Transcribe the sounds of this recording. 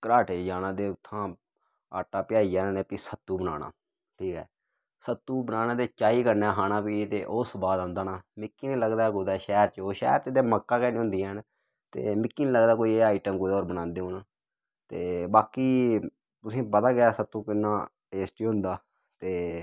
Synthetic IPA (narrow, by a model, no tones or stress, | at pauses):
kəɾaːʈeːd͡ʒaːnãːd̪eːʊt̪ʰːãː | a̰ːʈːaːpɪjaːiːd͡ʒaːnːneːpiːsət̪ːuːbəna̰ːna̰ː | ʈʰiːkɦɛː | sət̪ːuːbənaːnãːd̪eːt͡ʃaːiːkəɾnaːɦaːnãːpiːt̪eːʔoːsbaːd̪ãːnd̪aːnaːmɪkːiːnĩːləɡd̪aːkʊd̪aɛːʃɛːɾt͡ʃoːʃɛ̰ːɾt͡ʃd̪eːməkːaːkɛːnẽːɦʊ̃nd̪iɦən | t̪ḛːmɪkːiːniːləɡd̪aːkoːiaːiʈəmkoːiːɔːɾbənãːnd̪eːɦoːnː | t̪eːbaːkiː | t̪ʊsĩːpət̪aːɡɪjaːsət̪ːuːkɪnːãː | eːst͡ʃiɦʊ̃nd̪aː | t̪eː